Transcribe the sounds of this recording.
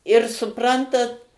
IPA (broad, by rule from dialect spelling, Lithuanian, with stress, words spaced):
ɪr sʊˈprɐntɐt